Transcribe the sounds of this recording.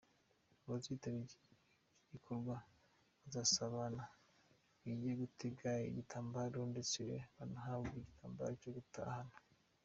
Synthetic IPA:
uβaziːtaβi | ɟikʰoɾɡwa | βazasaβana | iɟeɡuteɡaɾeḭɟitʰaːmbaɾondet͡siɾḛβanaɦabɡeiɟitʰaːmba̰ɾocoɡuta̰hano

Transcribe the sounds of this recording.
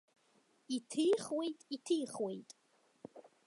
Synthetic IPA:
itʰɨjχwejtʼitʰɨjχwe̞jtʼ

